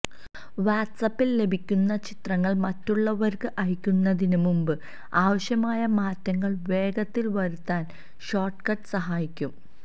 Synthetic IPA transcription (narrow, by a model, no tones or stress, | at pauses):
ʋaːʈsɐpːille̞bʱikʲːunːɐt͡ɕit̪rɐŋːɐɭmɐtːuɭːɐʋɐɾkɨʔɐjikʲːunːɐðinɨmumbɨ | aːʋɐɕjɐmaːjɐmaːtːɐŋːɐɭʋe̞ːɡɐt̪ːilʋɐɾut̪ːaːn | ɕoːʈkɐʈɨsɐɦaːjikʲːum